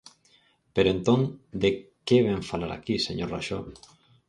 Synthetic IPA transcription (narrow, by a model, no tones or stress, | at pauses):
peɾoẽnt̪oŋd̪ekeβeɱfalaɾa̰kiseɲoɾraʃoβ